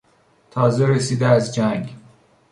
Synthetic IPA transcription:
t̪ʰɒːzeɾesiːd̪eæzd͡ʒæŋɡ

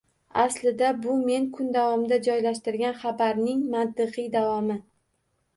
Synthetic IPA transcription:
aslɪd̪abʊme̞ŋkʰʊnd̪avɒmɪd̪ad͡ʒɒjlaʃt̪ɪɾɡʲanχabaɾnɪŋmant̪ɨqɨjd̪avɒmɪ

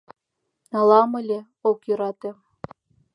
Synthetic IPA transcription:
nɑlɑmɤ̆lʲĕ | okjøɾɑt̪ĕ

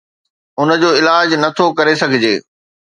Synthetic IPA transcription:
ʊnə̆d͡ʑoːɪlaːd͡ʑnɐt̪ʰokɐɾesɐɡʱɪd͡ʑeː

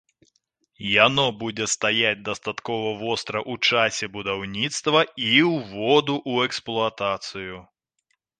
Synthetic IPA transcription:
janɔbud͡zʲɛst̪ajad͡zʲd̪ɐst̪at̪kɔvɐvɔst̪ɾɐʔut͡ʂasʲɛbud̪awnʲit̪st̪vɐiwvɔd̪uʔuɛksplˠuat̪at̪sɨju

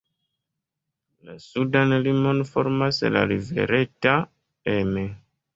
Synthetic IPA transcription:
lasudanlimonfoɾmasla̰livḛɾeta | eme

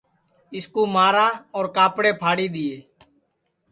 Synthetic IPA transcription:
ɪskuːmaːɾaːɔːɾkaːpɽeːpʰaːɽiːd̪ɪːeː

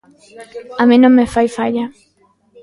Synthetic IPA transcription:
amĩnõŋmefajfaʎa

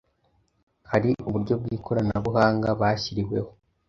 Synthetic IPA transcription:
haɾiʔuβuɾɟo̞b̚ɡiːkʰo̞ɾanaβuhaːŋɡaβaçiɾiwe̞ho̞

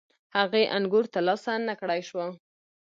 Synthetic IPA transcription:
haɣeʔanɡuɾt̪alɑsanakɽajʃwa

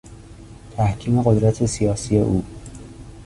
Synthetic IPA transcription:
t̪ʰæhkʰiːme̞ɣo̞d̪ɾæt̪ʰe̞sijɒːsije̞ʔuː

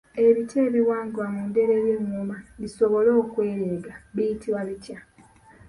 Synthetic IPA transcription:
e̞βite̞ːβiwaːŋɡoamuːnde̞ɾe̞ːɾjeːŋːumaβiso̞βo̞lo̞ːkwe̞ːɾeːɡaβijitiwaβicja

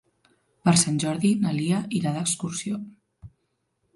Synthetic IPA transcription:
pəɾsanʲʒɔɾðinaliəʔilaðəkskuɾsio

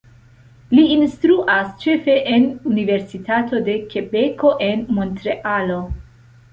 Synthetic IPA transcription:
liinstɾuʔast͡ʃe̞fe̞ʔenunive̞ɾsitʰato̞de̞ke̞be̞ko̞ʔe̞nmo̞ntɾe̞ʔalo̞

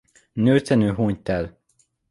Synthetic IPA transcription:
nøːrt̪ɛnøːɦoːɲt̪ɛl

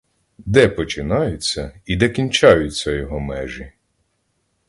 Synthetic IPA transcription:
d̪ɛpɔt͡ʃɪnɑjʊt͡sʲːɐid̪ɛkʲinʲt͡ʃɑjʊt͡sʲːɐjɔɦɔmɛʒi

